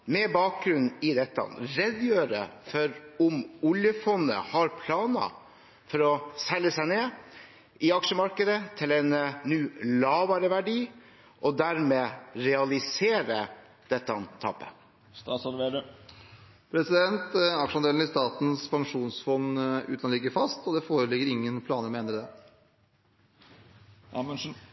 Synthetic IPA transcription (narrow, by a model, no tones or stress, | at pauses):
mɛbɑːk̚ɡɾʉnɪd̪ɛt̪ːəɑ̰nɾɛd̪jøːɾə̰fɔɾʊmʊljəfɔnːə̰hɑɾpʰlɑːnɑ̰ | fɔɾɔsɛlːəsæɪneː | ɪɑkʂəmɑɾkəd̪ət̪ʰɪlɛnnːʉːlɑːʋɑɾəʋæɖiː | ʔɔd̪æɾmeːɾɛɑlɪseːɾə | d̪̥ɛt̪ːəɑnt̪ʰɑ̰ːpːə̥̰ | st̪ɑsɑlʋeːɾə | pʰɾɛsɪd̪ɛnt̪ɑkʂəɑnd̪eːln̩ɪst̪ɑːt̪n̩spʰɑŋʂuːnsfɔnːʉ̰ːt̪ɑnɪɡːəɾfɑst̪ɔd̪ɛfoːɾəlɪɡəɾɪŋːənpʰlɑːnəɾmɛɛnɾəd̪ɛ | æmənʂn̩